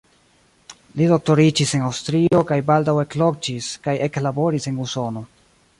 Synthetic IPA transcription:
lido̞k̚to̞ɾid͡ʒise̞nawstɾio̞kajbaldawe̞klo̞kd͡ʒiskajʔe̞klabo̞ɾise̞nuso̞no̞

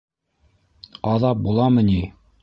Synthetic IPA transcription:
ɑðɑp̚bulˠɑmɤni

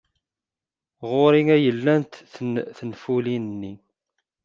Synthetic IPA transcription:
ʁoɾiŋæjəlːænt̪θθənfulinənːi

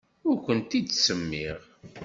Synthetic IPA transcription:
ʊɾkʷənt̪id̪səmːiʁ

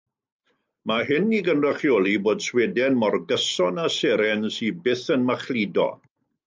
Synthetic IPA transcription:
maɦɪniɡənraχjɔːlˠiboːd̥swɛdɛnmɔrɡəsɔnasɛɾɛnsibɪθənmaχlˠidɔ̰

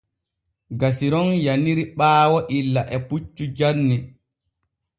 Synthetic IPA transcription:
ɡasiɾɔnjaniɾiɓaːwɔʔilːaʔɛput͡ʃːud͡ʒanːi

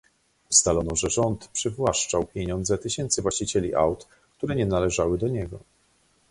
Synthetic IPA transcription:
ust̪alɔnɔʐɛʐɔnt̪pʂɘvwaʂt͡ʂawpʲjeɲɔnd̪zɛt̪ɘɕɛnt̪sɘvwaɕt͡ɕit͡ɕɛlʲḭʔa̰wt̪ | k̚t̪uɾɛɲɛnalɛʐawɘd̪ɔɲɛɡɔ̰

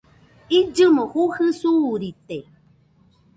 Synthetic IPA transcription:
id͡ʒɨmõhuhɨsuɾit̪e

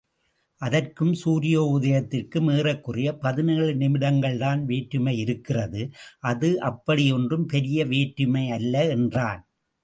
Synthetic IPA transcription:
ʔɐðɐrkɯmsuːɾɪjoːʊðɐjɐt̪ːɪrkɯmeːrɐkːɯrɪjɐpɐðɪnɪɭɯnɪmɪɽɐŋɡɐɭt̪aːnʋeːʈːɯmɐɪɪɾɯkːɪrɐðɯʔɐðɯʔɐpːɐɽɪjɔndrɯmpɛɾɪjɐʋeːʈːɯmɐɪɐlːɐɛndraːn

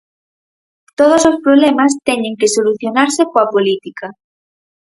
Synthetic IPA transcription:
t̪oð̞osospɾoβlemast̪eɲẽŋkesoluθjonaɾsekoapolit̪ika

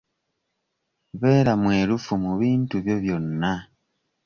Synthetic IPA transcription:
βe̞ːɾamwe̞ːlufumuβiːntuβjo̞βjo̞nːa

